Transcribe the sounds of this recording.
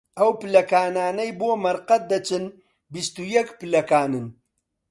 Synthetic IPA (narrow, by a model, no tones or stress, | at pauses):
ɐwpɨlɐkaːnaːnɐjboːmɐɾqɐt̪̚d̪ɐt͡ʃɨn | bist̪ujɐkpɨlɐkaːnɨn